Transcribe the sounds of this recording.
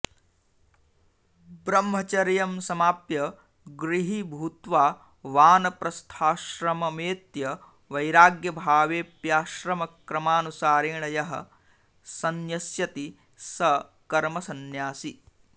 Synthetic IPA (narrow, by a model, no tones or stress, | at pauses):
bɾɐmɦɐt͡ʃɐɾjɐmsɐmaːpjɐ | ɡɾiɦibʱuːt̪ʋaː | ʋaːnɐpɾɐst̪ʰaːʃɾɐmɐmeːt̪jɐ | ʋɐjɾaːɡjɐbʱaːʋeːpjaːʃɾɐmɐkɾɐmaːnusaːɾeːɳɐjɐɦɐ̰̆ | sɐnjɐsjɐt̪i | sɐ | kɐɾmɐsɐnjaːsi